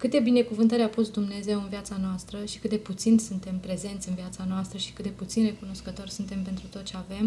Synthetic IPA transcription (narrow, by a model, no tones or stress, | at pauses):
kɨt̪ebine̞kuvɨnt̪əɾapusd̪umne̞ze̞wɨnvijat̪sanoast̪ɾəʃi̥kɨt̪d̪e̞put̪sinsunt̪e̞mpɾe̞ze̞nt̪sʲɨnviat̪sanoast̪ɾəʃi̥kɨt̪̚d̪e̞put̪sinre̞kuno̞skət̪o̞rʲsunt̪e̞mpe̞nt̪ɾut̪ot̪t͡ʃeave̞m